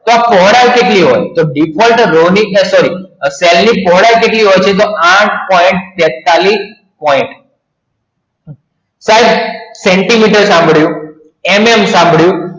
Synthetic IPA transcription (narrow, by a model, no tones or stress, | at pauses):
t̪oapɔɦɽajkeʈliɦojt̪oɖipʰɔlʈɾoniəsɔɾisɛlnipɔɦɽajkeʈliɦojt͡ʃʰet̪̬oaʈ̚ʰpɔiɳʈ̚t̪ɛt̪ːali | pɔɪɳʈ | sajd̪seɳʈimiʈəɾsãmbʱɽjũ | ememsãmbʱɽjũ